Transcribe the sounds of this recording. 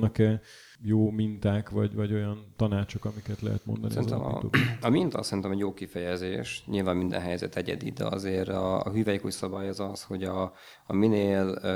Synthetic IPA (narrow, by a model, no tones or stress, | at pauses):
nɒkɛ | joːmint̪aːkvɒɟvɒɟojɒnt̪ɒnaːt͡ʃokɒmikɛt̪lɛ̰ɦɛ̰t̪mo̞nd̪ɒ̰nsiinzɛmio̰ɒmint̪ɒ̰sɛɾint̪ɛmɛɟjoːkifɛjɛzeːʃɲilvaːmmind̪ɛ̰nɦɛjzɛ̰t̪ɛɟɛ̰d̪ḭd̪ɛ̰ɒ̰zeːɾɒɦyːvɛjkucsɒbajɒzɒsho̞ɟɒ | ɒmineːl